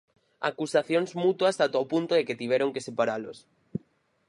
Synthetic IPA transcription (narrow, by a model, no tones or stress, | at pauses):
a̰kusaθjoŋzmut̪wasat̪opunt̪oðeket̪iβɛɾoŋkesepaɾalos